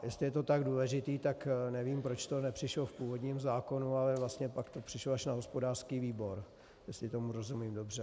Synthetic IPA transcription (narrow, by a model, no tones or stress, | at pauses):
jɛstlɪjɛt̪o̞t̪aɡduːlɛʒɪt̪iːt̪aknɛviːmpɾo̞t͡ʃt̪o̞nɛpr̥ɪʃlofpuːvodɲimzaːko̞nualɛvlast̪ɲɛpakt̪o̞pr̥ɪʃloaʃnaɦo̞spo̞daːr̥skiːviːbo̞ɾ | jɛst̪lɪt̪o̞muɾo̞zumiːmdo̞br̝ɛ